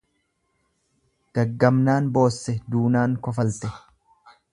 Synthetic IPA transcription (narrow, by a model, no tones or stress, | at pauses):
ɡ̥ɐɡːɐmnaːnbo̞ːsːɛd̪uːnaːŋkɔfɐlt̪ɛ